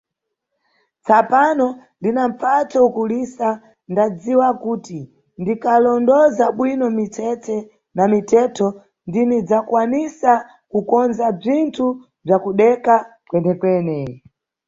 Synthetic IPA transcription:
t͡sapanɔ | ndinaɱ̩fatʰɔukulisa | ndad͡ziwakuti | ndikalɔndɔzaɓwinɔmit͡ʃʰɛt͡sɛ | namitɛtʰɔ | ndinid͡zakwanisa | kukɔnzab͡ʐintʰu | b͡ʐakuɗɛkakwɛnɛkwɛnɛ

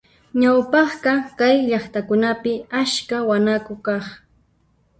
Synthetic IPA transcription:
ɲawpɑχɢɑkajʎɑχt̪akʊnapɪaʃkawanakʊkɑχ

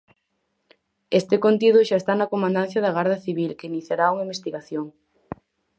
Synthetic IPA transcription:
est̪ɪkont̪ið̞ʊʃaest̪anɐkomãnd̪an̟θjɐðɐɣaɾðɐθiβilkeiniθjaɾauŋaimbest̪iɣaθjoŋ

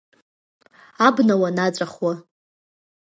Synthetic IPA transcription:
abnawanat͡sʷʼaχwa

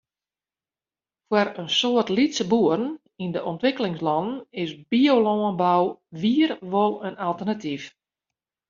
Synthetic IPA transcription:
fwəɾənsoərtlitsəbuərn̩ | indəʔɔntʋɪkəlɪŋslɔnən̩ɪsbiolɔənbawʋiərʋolˠənalˠtərnatif

